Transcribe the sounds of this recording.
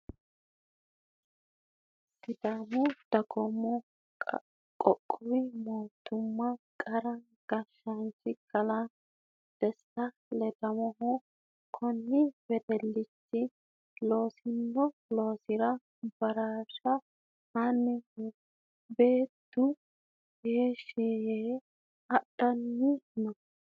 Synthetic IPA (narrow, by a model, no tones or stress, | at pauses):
sɪd̪amɔd̪̥ɐɡɔmːɔ | kʼɔkʼːʊwɪmoːt̪ːʊmːɐkʼɐɾɐ | ɡ̥ɐʃɐnt͡ʃːɪkʰɐlɐ | d̪̥ɛsːɐ | lɛd̪ɐmɔɦɔ | kʰɔnːɪbɛd̪ɛlːɪt͡ʃːɪ | lo̞ːsɪnːɔlo̞ːsɪɾɐ | b̥ɐɾaːʃɐ | hɐnɪ | be̞ːt̪ːʊ | jeːʃiːjeː | ɐɗɐnːɪmɐ